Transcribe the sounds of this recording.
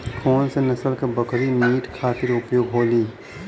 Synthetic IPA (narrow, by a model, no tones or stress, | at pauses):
kʰoːnsenɐsəlkɐbɐkɾimiːʈkʰaːt̪ɪɾʊpjoːɡɦoːliː